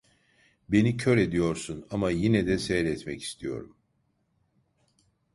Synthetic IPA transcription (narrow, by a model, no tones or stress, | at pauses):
be̞nicʰøɾe̞d̪ijo̞ɾsunamajinɛd̪ɛsɛjɾɛt̪mɛci̥st̪ʰijo̞̰ɾum